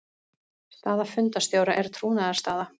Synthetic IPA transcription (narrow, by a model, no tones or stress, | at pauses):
st̪aːðafʏnt̪ast̪jowɾaʔɛɾ̥t̪ʰɾuːnaðaɾ̥st̪aːða